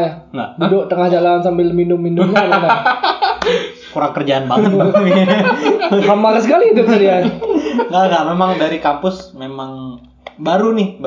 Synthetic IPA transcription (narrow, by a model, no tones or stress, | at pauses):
jaŋabdoʔt̪əŋahd͡ʒalansambɪlminʊmːinʊmɲanna | kuɾaŋkərd͡ʒaːnbaŋa | ɦamakəs̬əkaliːt̪ʊkəsədianŋaŋɡamemaŋdaɾikampʊsmemaŋ | baɾunɪh